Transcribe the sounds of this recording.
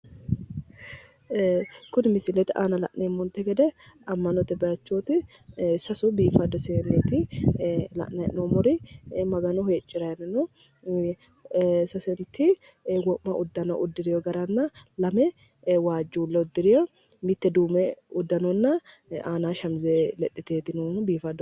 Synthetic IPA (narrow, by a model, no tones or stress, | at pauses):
kʊnɪmɪsɪlɛt̪ɪʔa̰ːnɐlɐ̰ʔnemːɔnt̪ːɛɡɛd̪ɛ | ɐmːɐnɔt̪ːɛbɐjɐt͡ʃːoːt̪ɪ | sɐsʊbiːfɐd̪ɔseːneːt̪ɪ | lɐ̰ʔnɐʔnomɔɾɪmɐɡɐnɔɦet͡ʃʼːɪɾɐjɐnɐnɔ | sɐsɛnt̪ɪ | wɔʔmɐʔʊd̪ːɐnɔʔʊd̪ːɪɾɪjɔɡɐɾɐnːɐlɐmɛ | waːd͡ʒːuːlːɐʊd̪ːɪɾɪjɔ | mɪt̪ːɛd̪uːmɛʊd̪ːɐnɔnːɐ | aːnaːʃɐmzelɛt̪ʼːɪt̪eːt̪ɪnubiːfɐd̪ːɔ